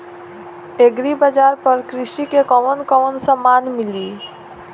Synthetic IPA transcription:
eɡɾibəd͡ʒaːɾpəɾkɾɪʃikekɔʋənkɔʋənsəmaːnmɪliː

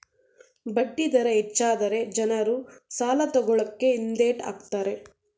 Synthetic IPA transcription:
bɐɖːid̪ɐɾɐɦet͡ʃːaːd̪ɐɾe̞d͡ʒɐnɐɾusaːlɐt̪ɔɡɔɭɐkːe̞ind̪eːʈa̰ːɡt̪aːɾe̞

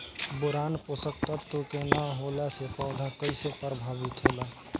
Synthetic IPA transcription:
boɾanposək̚t̪ət̪ːukenəɦolɛsepə̃ʊd̪ʱəkəɪsepəɾbʱabit̪ɦolɛ

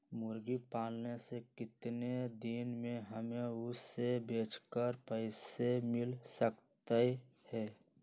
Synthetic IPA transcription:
mʊɾɡipaːlnesekɪt̪ned̪inmẽɦəmeʊsebeːt͡ʃkəɾpəɪsemɪlsəkt̪e | hɛː

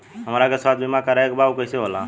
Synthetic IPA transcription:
ɦəmɾakesat̪ʰbimakəɾaekbaukəjseɦola

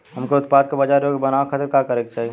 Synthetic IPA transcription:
ɦɐmkoʊt̪̚paːd̪̚kabɐd͡ʒaːɾokebɐnaʋakʰɐt̪ɾkakəɾekt͡ʃaːɦie

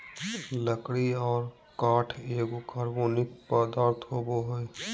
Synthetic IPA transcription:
ləkɽiɔːɾ | kaːʈʰeːɡokəɾboːnɪkpəd̪aːɾt̪ʰɦoːboɦoe

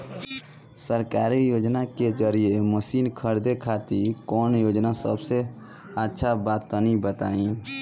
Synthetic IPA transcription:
səɾkaːɾijoːd͡ʒnaked͡ʒəɾiemʊsiːnkʰəɾd̪ekʰaːt̪ikɔːnjoːd͡ʒnasə̰bse | ətːʃʰabaːt̪ːanĩbət̪aːĩː

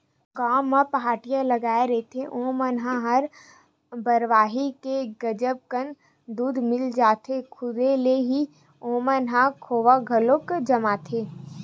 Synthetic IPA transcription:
ɡaːmːapɐɦaːʈijãlɐɡaːeɾɛɦet̪ʰeʔõːmənɦãɦɐɾ | bəɾʋaːɦikeɡɐd͡ʒəb̚kən | d̪uːd̪mɪld͡ʒaːt̪ʰekʰʊd̪eleɦi | õːmənɦãkʰoːʋaɡʱɐlokd͡ʒɐmaːt̪ʰeː

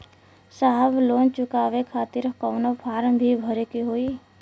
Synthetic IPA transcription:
saɦəbloːnt͡ʃʊkaːʋekʰaːt̪ɪɾkɔːnopʰaːɾmbʱibʱəɾekiɦoːi

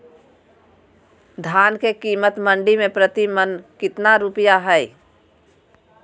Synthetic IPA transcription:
d̪ʱaːnkekiːmət̪mə̃ɳɖimẽpɾət̪imənkɪt̪naɾupijaɦɛj

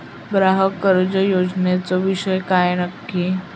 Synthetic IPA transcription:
bɾaɦəkəɾd͡ʑəjod͡znet͡sɔʋiɕəjkajnəkːi

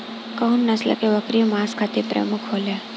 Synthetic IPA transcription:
kəɦunːəslə̰keʋəkɾijmãskʰat̪ʰipɾə̰mukʰɦolja

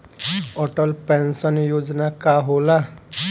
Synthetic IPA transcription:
ɔʈəlpẽnsənjoːd͡ʒnakaɦoːla

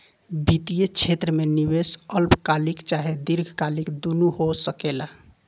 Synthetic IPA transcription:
bit̪ijet͡ʃʰet̪ɾəmenibesəlpkalikt͡ʃaɦed̪iɾɡʱkalikd̪unuɦosəkela

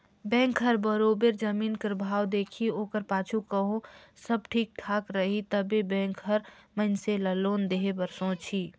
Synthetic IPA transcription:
bɛ̃ːŋkɦəɾbəɾobeɾd͡ʒəmiːnkəɾbʱaːwd̪eːkʰioːkəɾpaːt͡ʃʰukəɦõsəb̚ʈʰiːk̚ʈʰaːkɾəɦit̪əbebɛ̃ːŋkɦəɾməɦɪnseləloːnd̪eɦebəɾsõt͡ʃʰi

